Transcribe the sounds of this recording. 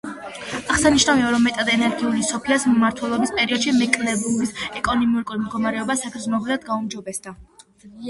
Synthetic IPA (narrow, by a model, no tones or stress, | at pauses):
aʁsaniʃnaviɔɾɔmɛt̪ʼad̪ɛnɛɾɡiulisɔpʰiasmaɾt̪ʰwɛlˠɔbispʼɛɾiɔd̪̥ʃimɛkʼlɛbubisɛkʼɔnimiuɾkʼuɾimd̪ɡɔmaɾɛɔbasakʰɾismɔɡlɛad̪ɡaumd͡ʒɔbɛsd̪a